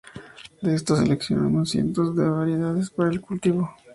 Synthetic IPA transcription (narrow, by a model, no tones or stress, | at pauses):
d̪eest̪ose̞leksjo̰na̰mosje̞̰nt̪o̞zðe̞βaɾje̞ðaðespaɾaelkult̪iβo̞